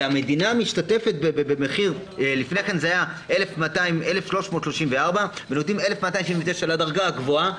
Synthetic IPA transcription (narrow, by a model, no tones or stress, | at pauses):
ame̞dinamiʃt̪at̪e̞fe̞t̪̚bebebemeχiʁlifne̞kanzeajaele̞fmat̪aimʔelefʃlo̞ʃmotʃlo̞ʃimveaʁbabenot̪ime̞le̞fmat̪ajimʃimvet̪eʃaladaʁɡaaɡvo̞a